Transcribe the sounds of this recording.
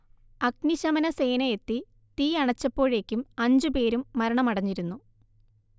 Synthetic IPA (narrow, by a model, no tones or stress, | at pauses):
ɐkniɕɐmɐnɐseːnɐet̪ːi | t̪iːɐɳɐt͡ɕːɐpːo̞ːɻe̞ːkʲːumɐɲd͡ʑupe̞ːɾumːɐɾɐɳɐmɐɽɐɲːiɾunːu